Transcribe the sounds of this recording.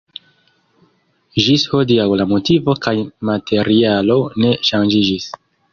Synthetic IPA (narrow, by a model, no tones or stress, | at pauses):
ʒisho̞diawlamo̞tivo̞kajmatʰe̞ɾialo̞ne̞ʃand͡ʒid͡ʒis